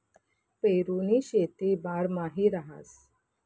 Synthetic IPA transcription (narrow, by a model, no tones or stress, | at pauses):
peɾuniɕet̪ibaɾmaɦiɾaɦa̰s